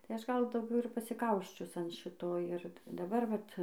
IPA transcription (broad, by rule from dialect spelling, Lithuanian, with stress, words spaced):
tɐɪ ˈɐʃ ˈɡɐlˠ dɐʊˈɡʲɛʊ ɪr pɐsʲɪˈkɐʊsʲt͡ʃʲʊs ɐn ˈʃʲɪtoː ɪr dɐˈbɐr ʋɐt